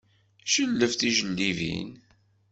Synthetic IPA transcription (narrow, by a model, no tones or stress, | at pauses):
ʃəlːəfθiʒəlːivḭn